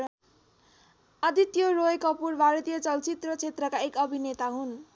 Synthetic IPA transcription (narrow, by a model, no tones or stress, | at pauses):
ʌd̪it̪joroekʌpurbʱaɾʌt̪ijʌt͡sʌlt͡sit̪rʌt͡sʰet̪rʌkaekʌbʱinet̪aɦun